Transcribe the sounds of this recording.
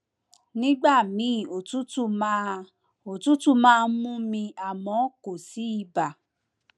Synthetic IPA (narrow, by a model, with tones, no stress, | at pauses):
nĩ˦ɡ͡ba˦˨mĩ˨˦˨o˨tu˦tu˦˧m | o˨tu˦tũ˦˨mãː˦˧mũ˦mĩ˧a˨mɔ̃˨˦ko˨si˨˦i˦˨ba˨